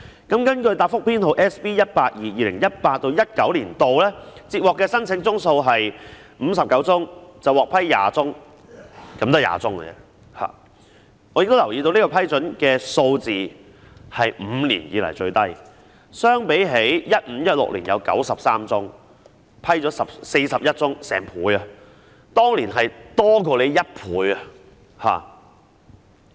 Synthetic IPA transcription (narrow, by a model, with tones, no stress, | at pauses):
kɐ˨˥mkɐ˥nkɵ˧ɥt̪aː˧˩t̚fʊ˥k̚pʰiː˥no˨˧wʔɛː˥spiː˥jɐ˥t̚paː˧t̚jiː˨jiː˨˧lɪ̰˨˩ŋjɐ˥t̚paː˧t̚t̪o˧wjɐ˥t̚kɐ˨˥wliː˨˩nt̪o˨wlɛː˥t͡siː˧t̚wɔː˨kːɛː˧sɐ˥nt͡sʰɪ˨˥ŋt͡sʊ˥ŋso˧wɦɐ˨˩j | m̩ː˨˧sɐ˨p̚kɐ˨˥wt͡sʊ˥ŋt͡sɐ˨wɔː˨˩k̚pʰɐ˥jːa̰ː˨t͡sʊ˥ŋ | kɐ˨˥mt̪o˥˩ja̰ː˨t͡sʊ˥ŋɐ̰˨jɛ̰˧ | ha̰ː˨˩ | ŋɔː˨˧jɪ˨kt̪o˥wlɐ˨˩wji˧t̪o˧wniː˥kɔː˧pʰɐ˥jt͡sɵ˨˥nkɛː˧so˧wt͡siː˨ | hɐ˨jm̩ː˨˧liː˨˩njiː˨lɐ̰˨˩jt͡ʃɵ˧ɥt̪ɐ˥j | sœː˥ŋpe˨˥jɦe˨˥jjɐ˥t̚m̩ː˨˧˥jɐ˥t̚lʊ̰˨k̚liː˨˩jɐ̰˨˧wkɐ̰˨˥wsɐ˨p̚saː˥mt͡sʊ˥ŋ | pʰɐ˥jt͡ʃɔː˨˥sɐ˨p̚se˧jsɐ˨p̚jɐ˥t̚t͡sʊ˥ŋsɛ̰ː˨˩ŋpʰuː˨˥jɐ˧ | t̪ɔː˥ŋliː˨˩nɦɐ˨jt̪ɔː˥kʰo˧le˨˧jjɐ˥t̚pʰuː˨˥jɐ˨ | haː˨˩